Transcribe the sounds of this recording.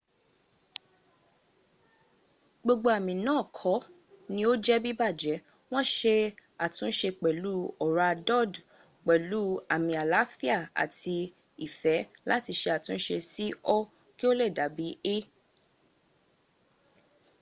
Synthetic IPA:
ɡ͡bo˧ɡ͡bo˧a˨mĩ˨nãː˦˨kʰɔ˨˦ | nĩ˧˦o˦d͡ʒɛ˦bi˦ba˦˨d͡ʒɛ˨˦ | w̃ɔ̃˦ʃe˧a˨tũ˨˦ʃe˧k͡pɛ˨lu˦ɔ˨ɾa˨˧dɔ˦˨d | k͡pɛ˨lu˨˦a˨mĩ˧a˨la˨˦fi˦a˦˨a̰˨ti˧ | i˨fɛ˨˦la˦ti˧ʃe˧a˨tũ˨˦n̩˦ʃe˧si˦ɔ˦ | ki˦o˦lɛ˦˨da˨˦bi˨˦e˦

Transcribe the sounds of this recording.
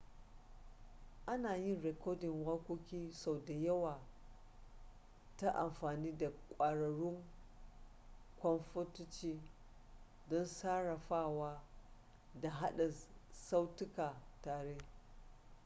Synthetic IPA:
ʔa˦naː˨jɪ˦nɾɛ˨kɔː˦dɪ˨ŋwa˦kʷo˦kʲiː˦sa˨wda˨jɐ˦waː˨ | ta˦ʔa̰˨mɸaː˨niː˦da˨kʷʼaː˨ɽɐ˨ɽʊ˦ŋ | kʷɔ˦nɸo˦tʊ˦t͡ʃiː˦ | dɔ˦nsaː˦ɽa˨ɸaː˦˨waː˦ | da˨ɦa˦ɗɐ˨sa˦wtʊ˦kaː˨taː˨ɾeː˦

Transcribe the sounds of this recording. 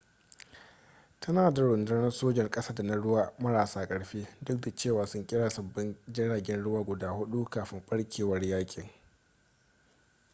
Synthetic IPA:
tʰɐ˦naː˨da˨ɽʊ˨ndʊ˦nɐ˦nsoː˦d͡ʒɛ˨rkʼɐ˦saː˦da˨na˦ɽʊ˦waː˦mɐ˦ɽaː˨saː˦kʼɐ˨ɽɸeː˦dʊ˦k̚da˨t͡ʃeː˦˨waː˨sʊ˦ŋkʲʼɪ˦ɽaː˨sɐ˨bːɪ˦nd͡ʒɪ˦ɽaː˨ɡʲɛ˦nɽʊ˦waː˦ɡʷʊ˨daː˦hʊ˦ɗu˦kaː˨ɸɪ˦mɸʼɐ˦ɽkʲʰeː˨wɐ˦rjaː˦kʲʼɪ˨ŋ

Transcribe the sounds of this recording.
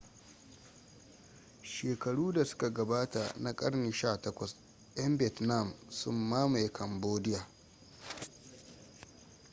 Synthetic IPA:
ʃeː˨kɐ˨ɽuː˦da˨sʊ̥˦ka˨ɡɐ˨baː˦ta˨na˨kʼɐ˦ɽni˨ʃaː˦˨tɐ˦kʷɐ˨s | jɐ˦mbɪ˦ɛ˨tna˦˨msʊ̰˦mːaː˦ma˨jkʰɐ˨mboː˦dɪ˦jaː˨

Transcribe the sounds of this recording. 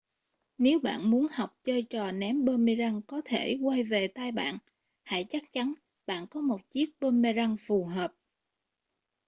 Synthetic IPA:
ne˨˦wɓa̰ː˧˨nmu˨˦ənha˨˩wk͡p̚t͡ɕəː˧jt͡ɕɔ˨˩nɛ˨˦mɓəː˧me˧za˧ŋkɔ˨˦t̪ʰe˧˩kwa˧jve˨˩t̪aː˧jɓa̰ː˧˨n | ha̰˧˩˨jt͡ɕa˦˥k̚t͡ɕa˨˦n | ɓa̰ː˧˨nkɔ˨˦mo˨˩t̚t͡ɕi˦˥ək̚ɓəː˧me˧za˧ŋfu˨˩ɦəː˨˩p̚

